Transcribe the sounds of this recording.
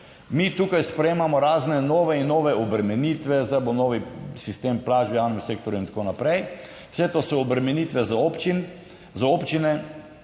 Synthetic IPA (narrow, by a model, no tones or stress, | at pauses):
mit̪uːkajspɾɛjeːmamɔɾaːznɛnoːʋɛinːoːʋɛɔbɾɛmɛnit̪ʋɛzajbonɔːʋisist̪eːmplaːd͡ʒbijaːwnɛmsek̚t̪oɾjuint̪ḁkonapɾɛj | w̥sɛt̪oːsɔːbɾɛmɛnit̪ʋɛzaopt͡ʃin | zaopt͡ʃinɛ